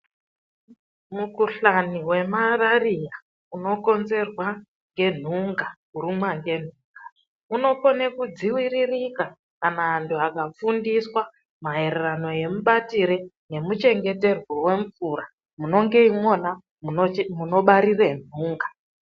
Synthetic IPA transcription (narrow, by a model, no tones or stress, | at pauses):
mukuɬaniwe̞mararija | uno̞ko̞nze̞rwa | ŋɡe̞n̤uŋɡakuɾumwaŋɡe̞n̤uːŋɡa | uno̞ponekud͡ziwiririka | kanaːntʰuakafundiswa | mae̞rerano̞je̞muɓatiɾene̞mut͡ʃe̞ŋɡe̞te̞rwowe̞ɱfuɾa | muno̞ŋɡe̞imo̞na | muno̞ɓaɾiren̤uːŋɡa